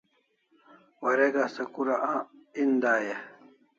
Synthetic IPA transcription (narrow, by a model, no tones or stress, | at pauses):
wɐɾeɡasɐkuɾaʔãːind̪aːje